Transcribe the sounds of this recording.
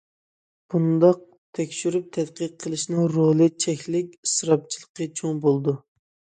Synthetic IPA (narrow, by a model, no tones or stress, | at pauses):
b̥und̪ɑq̚ | t̪ʰɛkʲʃyɾyp̚t̪ʰɛt̪qəq̚qʰːəlˠɨʃnɨŋɾolˠɨt͡ʃʰɛkʲlɪkʲɨsɾɑp̚t͡ʃʰilˠəqət͡ʃʰoŋbolˠd̪u